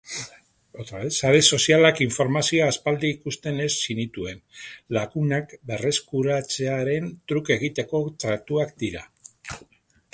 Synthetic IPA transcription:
ot̪oesaɾeso̞sialakiɱfo̞ɾmasio̞aspald̪iikust̪e̞ne̞sːinit̪ue̞nlaɣunakbe̞re̞skuɾat͡se̞aɾe̞nt̪ɾuke̞ɣ̞it̪e̞ko̞t̪ɾat̪uakd̪iɾa

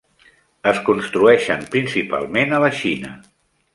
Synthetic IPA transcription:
əskunst̪ɾuɛʃəmpɾinsipa̰lˠmenələʃinə̰

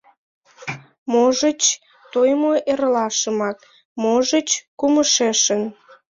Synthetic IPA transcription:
moʒət͡ɕ | t̪ojmoʔeɾlɑʃəmɑk | moʒət͡ɕkuməʃeʃən

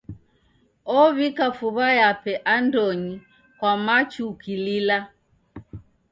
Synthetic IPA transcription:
ɔβikafuβajapɛʔandɔɲi | kwamat͡ʃukilila

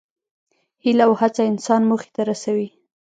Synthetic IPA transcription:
hilawhat͡saɪnsɑnmoxe̥t̪aɾasawi

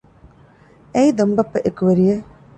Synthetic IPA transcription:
ejd̪ɐmbɐpːɐʔekuʋɐɾije

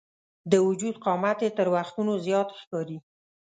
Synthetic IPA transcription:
d̪əwʊd͡ʒud̪qɑmat̪et̪əɾwaxt̪unozjɑt̪xkɑɾi

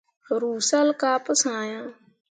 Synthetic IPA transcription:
ɾuːsaːlkaːpəsãːjãː

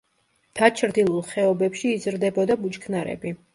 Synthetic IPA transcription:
d̪̥at͡ʃʰɾd̪ilˠulˠχɛɔbɛpʃiːzɾd̪ɛbɔd̪abut͡ʃkʰnaɾɛ̰bi

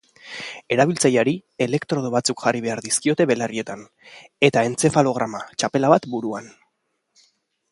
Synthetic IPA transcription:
e̞ɾaβilt͡sajaɾie̞le̞kt̪ɾo̞ð̞oβat͡sukʝariβe̞aɾðiskio̞t̪e̞βe̞larie̞t̪an | e̞t̪ae̞nt͡se̞falo̞ɣ̞ɾamat͡ʃape̞laβat̪buɾuan

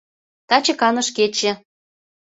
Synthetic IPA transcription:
t̪ɑt͡ɕɤ̆kɑnɤ̆ʃket͡ɕĕ

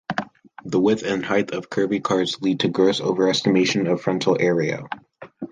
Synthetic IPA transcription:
ðəwɪθɨ̃nhaɪθʌv̥kʰɜ˞bikʰɑɹdz̥lid̚tʰɨɡɹoʊso̰ʊvə˞ɛstɨmeɪʃɨ̃nʌv̥fɹʌ̃ntʰl̩ˠɛɹiɨ̰

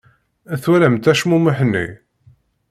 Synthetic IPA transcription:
æθwæɾæmt̪æʃmuməħnːḭ

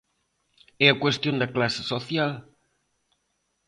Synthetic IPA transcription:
ɛɐkwest̪jõnd̪ɐklasɪ̥soθjal

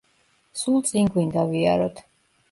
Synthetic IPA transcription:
sulˠt̪sʼiŋɡwind̪aviaɾɔt̪ʰ

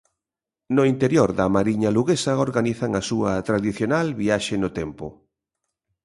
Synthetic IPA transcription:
nʊint̪eɾjoɾðɐmaɾiɲaluɣesɐoɾɣaniθaŋasuɐt̪ɾaðiθjonalβiaʃenʊt̪ɛmpʊ̰

